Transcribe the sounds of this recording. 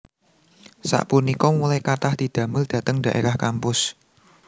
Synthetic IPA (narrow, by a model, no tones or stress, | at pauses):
sa̰ʔpunikɔmulajkat̪ahd̪̥i̤d̪̥ä̤mʊld̪̥ä̤t̪əŋɖä̤ʔeɾahkampʊs